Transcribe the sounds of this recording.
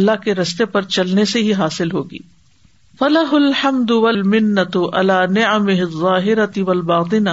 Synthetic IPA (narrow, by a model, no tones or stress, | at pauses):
lːaɦkeɾɐst̪epɐɾt͡ʃɐlneseɦiɦaːsɪlɦoːɡḭː | fɐlɐɦʊlħɐmd̪ʊwɐlmɪnːɐt̪ʊʔɐ̰laːnɪʕɐmɪɦɪðˤːɑːɦɪɾɐt̪ɪʋɐlbɑːt̪̬ˤɪna